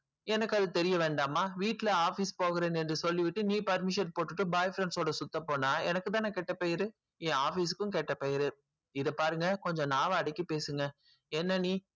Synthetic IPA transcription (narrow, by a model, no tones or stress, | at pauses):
ɛnɐkːɐðɯt̪ɛɾɪjɐʋeːɳɖaːmaːʋiːʈːlɐaːfispoːɣɯɾeːnɛndrɯsɔlːiʋɪʈːɯniːpɐɾmɪʂɐnpoːʈːɯʈːɯbaːjfɾɛɳsoːɽɐsʊt̪ːɐpoːnaːɛnɐkːɯt̪ãːnãːkɛʈːɐpejɪɾɯ | ẽːaːfiːsɯ̥kːɯ̃k̬ɛʈːɐpeːjɪɾɯ | ɪðɐpaːɾɯŋɡɐkɔɲd͡ʒɔ̃naːʋɐɐɽɪkːɯpeːsɯŋɡɐ | ɛnːɐniː